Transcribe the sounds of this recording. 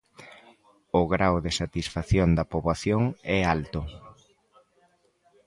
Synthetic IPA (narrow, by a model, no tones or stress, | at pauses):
ʊɣɾawðesat̪isfaθjond̪ɐpoβaθjoŋɛalt̪ʊ